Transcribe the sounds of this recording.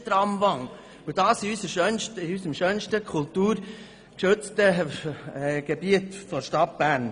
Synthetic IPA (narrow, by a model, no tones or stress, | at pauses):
t̪ɾɑmvɑŋ | ədɑːsiysəʃœnʃtɪysəmʃœːnʃtəkʰʊltuːɾ | kʃɵt͡stə | ɡ̥ebiətfɔʃtɑt̚b̥æɾn